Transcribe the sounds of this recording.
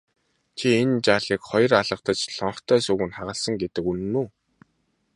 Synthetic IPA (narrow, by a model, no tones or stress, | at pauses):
t͡ɕʰient͡ɕaːɮiːkχɔj̆raɮə̆qt̪ə̆t͡ɕɬɔɴχt̪ʰœːsuɣɘ̆nχaʁə̆ɮsə̆ŋɡet̪ɘ̆kunːuː